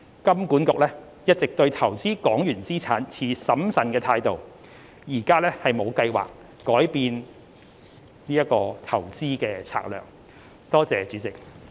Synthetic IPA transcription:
kɐ˥mkuː˨˥nkʊ˨k̚lɛː˥ | jɐ˥t̚t͡sɪ˨k̚t̪ɵ˧ɥt̪ʰɐ˨˩wt͡siː˥kɔː˨˥ŋjyː˨˩nt͡siː˥t͡sʰaː˨˥nt͡sʰiː˧sɐ˨˥msɐ˨nkɛː˧t̪ʰaː˧jt̪o˨w | jiː˨˩kaː˥lɛː˥hɐ˨jmo˨˧wkɐ˧jwa̰ː˨˩kː | ɔː˨˥jpiː˨˧n | niː˥jɐ˥t̚kɔː˧t̪ʰɐ˨˩wt͡siː˥kɛː˧t͡sʰa̰ː˧k̚lœ̰ː˨˩ŋ | t̪ɔː˥t͡sɛː˨t͡syː˨˥t͡sɪ˨˩k̚

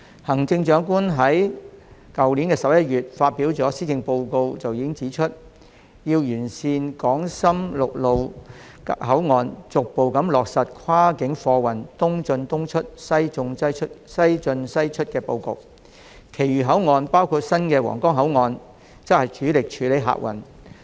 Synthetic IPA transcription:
hɐ˨˩ŋt͡sɪ˧ŋt͡ʃœː˨˥ŋkuː˥nɦɐ˨˥j | kɐ˨wliː˨˥nkɛː˧sɐ˨p̚jɐ˥t̚jyː˨t̚faː˧t̚piː˨˥wt͡sɔː˨˥siː˥t͡sɪ˧ŋpo˧wko˧wt͡sɐ˨wjiː˨˧˥ɪ˥ŋt͡siː˨˥t͡ʃʰɵ˥t̚ | jiː˧wjyː˨˩nsiː˧nkɔː˨˥ŋsɐ˥mlʊ˨k̚lo˨w | ɦɐ˨˥wŋɔː˨nt͡sʊ˨k̚po˨wkɐ˨˥mlɔː˨k̚sɐ˨t̚kʰaː˥kɪ˨˥ŋfɔː˧wɐ˨˩nt̪ʊ˥ŋt͡sɵ˧nt̪ʊ˥ŋt͡ʃʰɵ˥t̚sɐ˥jt͡sʊ˧ŋɐ˥jʰtsɐ˥jt͡sɵ˧nsɐ˥jt͡ʃʰɵ˥t̚kɛː˧po˧wkʊ̰˨w̚ | kʰe˨˩jyː˨˩ɦɐ˨˥wŋɔː˨npaː˥wkʰuː˧t̚sɐ˥nkɛː˧wɔ̰ː˨˩ŋkɔː˥ŋɦɐ˨˥wŋɔː˨˧n | t͡sɐ˥k̚hɐ˨jt͡ʃʰyː˨˥lɪ˨k̚t͡ʃʰyː˨˥le˨˧˥jɦa̰ː˨k̚wɐ̰˨˩n

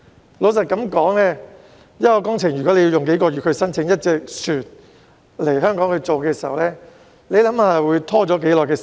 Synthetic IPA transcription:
lo˨˧ws̬ɐ˨t̚kɐ˨˥mkɔː˨˥ŋlɛː˥ | jɐ˥kɔː˧kɔː˥ŋt͡sʰɪ˨˩ŋɥy˨kɔː˨˥le˨˧ji˧jʊ˨ŋke˨˥jkɔː˧ɥyː˨t̚kʰɵ˧ɥsɐ˥nt͡sʰɪ˨˥ŋjɐ˥t̚t͡sɛː˨k̚syː˨t̚ | le˨˩jɦœː˥ŋkɔː˨˥ŋkʰɵ˧ɥt͡so˨wkɛː˧siː˨˩ɦɐ˨wlɛː˥ | le˨˧jlɐ˨˥mhaː˧wuː˨˧jt̪ʰɔː˥t͡sɔː˨˥k̬e˨˥jlɔː˨˩jkɛː˧˨

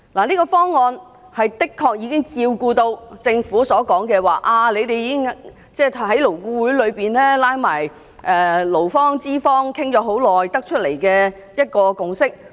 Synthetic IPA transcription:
laː˨˩niː˥kɔː˧fɔː˥ŋːɔː˧n | hɐ˨jt̪ɪ˥kʰːɔː˧k̚jiː˨˧kɪ˥ŋt͡siː˧wkuː˧t̪o˧wt͡sɪ˧ŋfuː˨˥sɔː˨˥kɔː˨˥ŋkɛː˧waː˨ʔaː˧le˨˧jt̪e˨jiː˨˧kɪ˥ŋ | t͡sɛː˥hɐ˨˥jlo˨˩wkuː˧wuː˨˥jlɵ˨˧ɥpiː˨nlɛː˥laː˧˥jmaː˨˩j | ʔɛː˨˩lo˨˩wfɔː˥ŋt͡siː˥fɔː˥ŋkʰɪ˥ŋt͡ʃɔː˨˥ɦo˨˥wlɔː˨jt̪ɐ˥k̚t͡ʃʰɵ˥t̚le˨˩jkɛː˧ | jɐ˥t̚kɔː˧kʊ˨ŋsɪ˥k̚

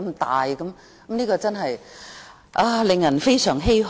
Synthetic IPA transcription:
mt̪aː˨jkɐ˨˧˦m | kmniː˥kɔː˧t͡sɐ˥nɦɐ˨j | ʔaː˧lɪ˨ŋjɐ˨˩nfe˥jsœː˨˩ŋɦe˥jɦ

